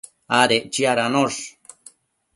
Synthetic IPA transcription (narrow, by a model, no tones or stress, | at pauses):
aɾeʔt͡ʃiaɾanoʂ